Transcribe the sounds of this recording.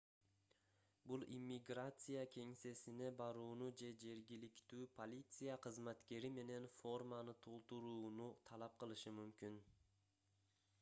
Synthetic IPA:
bulˠʔimʲːiɡrat̪sɨjakʲʰe̞ŋse̞sine̞bɑɾuːnud͡ʒe̞d͡ʒe̞ɾɡʲilikt̪yːpʰo̞lʲit̪sɨjaqʰɯzmat̪ke̞ɾime̞ne̞nfo̞rmanɯt̪ʰo̞lˠt̪uɾuːnut̪ʰɑlˠɑp̚qɯlˠɯʃɯmymkyn

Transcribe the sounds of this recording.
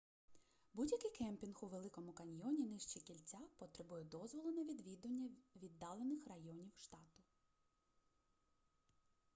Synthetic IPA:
budʲjɐkɪjkɛmpʲinxʊʋelˠɪkɔmʊkɐnʲjɔnʲinɪʃt͡ʃikʲilʲt͡sʲapɔt̪ɾebujɛd̪ɔzʋɔlˠʊnɐʋʲid̪ʋʲid̪ɐnʲːɐʋʲid̪ːɑlˠenɪxrɐjɔnʲiwʃt̪ɑt̪ʊ

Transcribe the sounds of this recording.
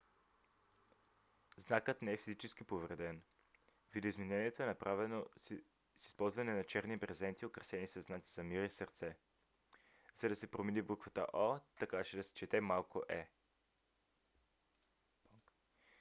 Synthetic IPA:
znakət̪nɛɛfizit͡ʃɛsk̟ipovɾɛd̪ɛn | vid̪ɛoizminɛniɛt̪oɛnɐpɾʔavɛno | si̥spɔlˠzvɐnɛnɐt͡ʃɛɾnibpɾɛzɛnt̪iokɾɛsɛnisɐznat̪i̥zɐmiɾisəɾt̪sɛ | z̥ɐd̪ɐsɛpɾominibukvət̪ə̰ʔɔt̪ɐkat͡ʃɛd̪ɐsɛ̥t͡ʃɛt̪ɛmalˠkoʔɛ

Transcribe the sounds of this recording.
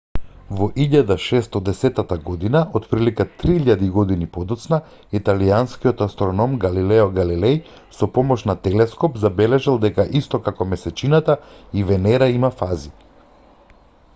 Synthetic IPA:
vɔʔiʎad̪aʃɛst̪ɔd̪ɛsɛt̪at̪aɡɔd̪inaʔot̪pɾilikat̪ɾiiʎad̪iɡɔd̪inipɔd̪ɔt̪sna | it̪alijanskiɔt̪ast̪ɾɔnɔmɡalilɛɔɡalilɛj | sɔpɔmɔʃnat̪ɛlɛskɔpzabɛlɛʒɛlˠd̪ɛkaʔist̪ɔkakɔmɛsɛt͡ʃinat̪aivɛnɛɾaimafazi

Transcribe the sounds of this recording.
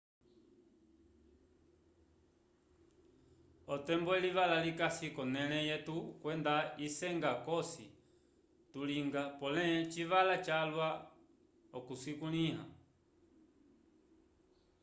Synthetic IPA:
ɔtɛmbɔɛliʋalalikasikɔnɛlɛjɛtukwɛndaisɛŋɡakɔsi | tuliŋɡapɔlɛt͡ʃiʋalat͡ʃalwa | ɔkusikuliɦa̰

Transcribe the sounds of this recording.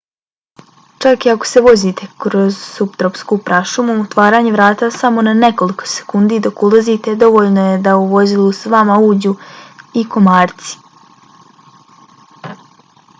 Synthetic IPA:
t͡ʃakiako̥se̞ʋo̞zit̪ʰe̞kɾo̞zsupt̪ɾopskupɾaʃumuut̪ʋaːɾaːɲeʋɾaːt̪asamo̞nane̞ko̞liko̥se̥kund̪id̪o̞kulˠazit̪e̞d̪o̞ʋo̞ːʎnoje̞d̪auʋo̞zilusʋamauːd͡ʑuiko̞maːɾt̪si̥

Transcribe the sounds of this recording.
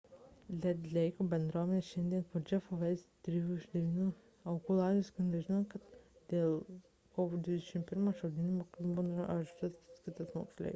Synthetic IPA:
lʲɛd̪ʲlʲɛɪkoːbʲɛnd̪ɾuɔːmʲɛnʲeːʃʲɛnʲd̪ʲiɛnpod͡ʒʲɛfoʋʲɛɪst̪ʲɾʲijuɪʒd̪ʲɛʋʲiːnʲuː | ɐʊkuːlˠɑːd̪ʲʊsʲkɐnʲmʲɛʒʲɪnoːkɐt̪d̪̥ʲeːlˠ | koːʋoːd̪ʲʋʲɪd̪ʲɛʃʲɪmpʲɪɾmoːʃɐʊd̪ʲɪnʲumoːkʲilˠbunɐʒʲt̪ɐsskʲɪt̪ɐsmo̰ksʲlʲɛ̰ɪ

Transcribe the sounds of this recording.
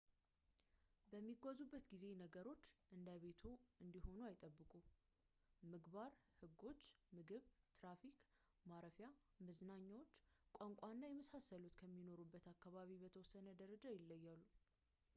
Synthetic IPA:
bəmːiɡʷːazubːət̪ɡize̞nəɡəɾo̞t͡ʃːʔɨnd̪aβe̞t̪ʰoɨnd̪iho̞nuajɪt̪ʼəbːɨkʼu | mɨɡbaɾhɨɡːo̞t͡ʃːmɨɡɨβt̪ɾafikʼ | maɾəfja | məznaɲːawot͡ʃːkʷʼaŋkʷʼanːajɛməsasəlut̪kʰəmːino̞ɾubːət̪akːaβaβibət̪ʰəwɔsːənəd̪əɾəd͡ʒajɪlːəjːalːu

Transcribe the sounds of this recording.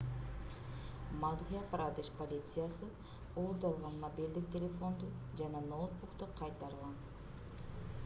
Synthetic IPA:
mad̪ʁijaprad̪eʃpolʲit̪sɨjasɨ | olˠd̪ɑlˠʁɑnmobild̪ik̚t̪ʰʲelʲe̞fo̞nd̪ud͡ʒɑnɑnowt̪̚buqt̪uqʰɑjt̪ɑɾɯlˠʁɑn

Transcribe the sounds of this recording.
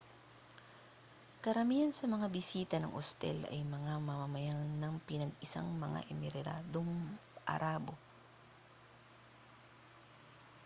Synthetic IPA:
kɐɾɐmiːhɐnsɐmɐŋabɪsiːt̪ɐnɐŋʔost̪ɛ̰lʔɐ̰jmɐŋamɐmɐmɐjaŋnɐŋpɪnɐɡɪsa̰ŋmɐŋa̰ʔɛmɪɾɛɾa̰ːd̪oŋʔɐ̰ɾaːbo̞

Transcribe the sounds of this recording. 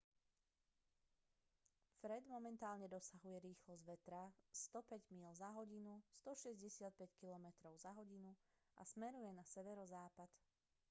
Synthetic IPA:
fɾɛd̪mɔmɛnt̪aːlɲɛd̪ɔsaɦujɛɾiːxlɔzʋɛt̪ɾast̪ɔpɛɟmiːlzaɦɔɟinust̪ɔʃɛzɟɛsɪat̪̚pɛckilɔmɛt̪ɾɔʊzaɦɔɟinu | ʔa̰smɛɾujɛnasɛʋɛɾɔzaːpat̪

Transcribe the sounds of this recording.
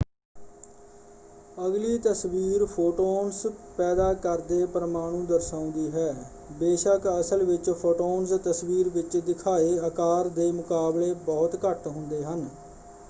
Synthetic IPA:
əɡliːt̪əsʋiːɾpʰoːʈoːnspɛːd̪aːkəɾd̪eːpəɾəmaːɽ̃ũːd̪əɾsaːʊ̃nd̪iːɦɛː | beːʃəkəsəlʋɪt͡ʃpʰoːʈoːnst̪əsʋiːɾʋɪt͡ʃd̪ɪkʰaːeːəkaːɾd̪eːmʊkaːbleːbɔːt̪kəʈɦʊ̃nd̪eːɦən

